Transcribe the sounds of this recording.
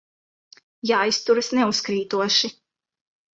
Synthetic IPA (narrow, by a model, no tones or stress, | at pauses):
jaːjst̪uɾɐsnɛuskɾiːt̪uɔʃi